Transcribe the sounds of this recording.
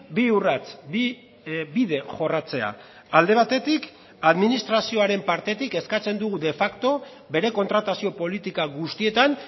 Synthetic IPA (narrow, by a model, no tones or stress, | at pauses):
biurat͡si | biðe̞ʝo̞rat͡se̞a̰ | ald̪e̞β̞at̪e̞t̪ik | aðminist̪ɾasio̞aɾe̞mpaɾt̪e̞t̪ike̞skat͡se̞nd̪uɣud̪e̞fakt̪o̞ | be̞ɾe̞ko̞nt̪ɾat̪asio̞po̞lit̪ikaɣust̪ie̞t̪an